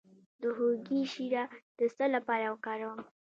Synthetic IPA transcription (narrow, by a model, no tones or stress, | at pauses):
d̪əɦoɡiʃiɾad̪̥əst̪əlapɑɾawəkɑɾawəm